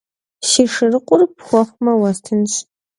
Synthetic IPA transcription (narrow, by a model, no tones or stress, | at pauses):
ʃɪʂɨrɨqʷʼʊrpxʷɔχʷmɐwɐstʰɨnɕ